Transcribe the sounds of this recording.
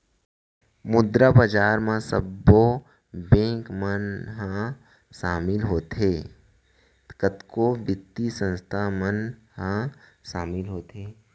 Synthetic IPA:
mʊd̪ɾabad͡ʒaːɾmãsə̰bːo | bẽːkmənɦã | ʃaːmɪlɦoːt̪eː | kət̪koːʋɪt̪ːisə̃nst̪ʰamənhãʃaːmɪlɦoːt̪eː

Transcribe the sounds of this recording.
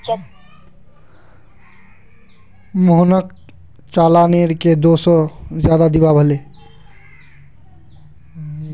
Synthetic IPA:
moɦnək̚ | t͡ʃaːlaneɾked̪osɔzjaːd̪ad̪ibabʱəle

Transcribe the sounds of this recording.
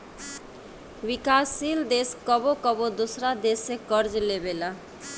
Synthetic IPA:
wikasild̪eskɔbokɔbod̪usɾad̪esekɔɾd͡ʑlebela

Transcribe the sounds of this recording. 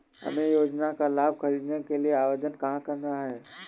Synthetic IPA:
hɐ̰mẽjoːd͡ʒnakalaːb̚xɐɾiːd̪nekelieaːʋed͡ʒənkɐɦãkɐɾnaɦɛː

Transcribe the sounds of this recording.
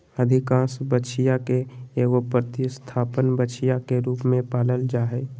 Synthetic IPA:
əd̪ʱɪkãːsbət͡ʃʰɪjakeeːɡopɾt̪ist̪ʰaːpənbət͡ʃʰɪjakeɾuːpmẽpaːləld͡ʒaːɦeː

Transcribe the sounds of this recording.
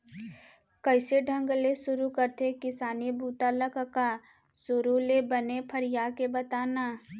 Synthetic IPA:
kɐɪseɖʱɐ̃ŋɡlesʊɾukɐɾt̪ekɪsaːnibuːt̪aləkəka | sʊɾolebɐnepʰɐɾɪjaːkebɐt̪aːnaː

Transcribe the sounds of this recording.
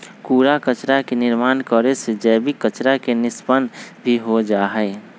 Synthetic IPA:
kuːɾakət͡ʃɾakenɪɾmaːnkəɾesed͡ʒəbikət͡ʃɾakenɪspənbʱiɦod͡ʒaːɦəɪ

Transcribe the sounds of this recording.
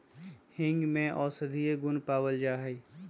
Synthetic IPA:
hɪ̃ŋɡmẽʔɔːsəd̪ʱieɡʊnpaːwəld͡ʒaːɦɛ

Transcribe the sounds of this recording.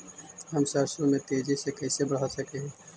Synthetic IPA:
ɦɐmsaːɾsõmẽt̪eːd͡ʒisekɛːsebɐɽ̤asɐkeɦɛ̃ː

